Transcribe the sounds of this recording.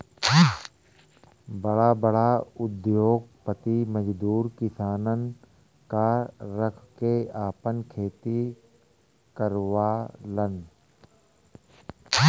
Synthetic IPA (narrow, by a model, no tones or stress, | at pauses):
bəɽabəɽaʊd̪joːɡ̚pət̪iməd͡ʒd̪uːɾkɪsaːnən | kaɾəkʰkeaːpənkʰeːt̪i | kəɾʋalən